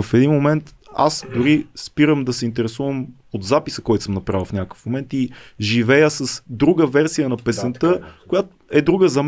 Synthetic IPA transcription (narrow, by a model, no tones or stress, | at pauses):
əfɛd̪inmomɛnt̪ | a̰sd̪ʊɾispiɾəmd̪ɐsɛint̪ɛɾɛsuvəm | ot̪zapisəkɔjt̪ʊsəmnɐpɾavəlˠfnʲakə̥fmomɛnt̪iʒivɛjəsəsd̪ɾuɡəvɛɾsijənɐpɛsɛnt̪ɤkojat̪oɛd̪ɾuɡəzɐm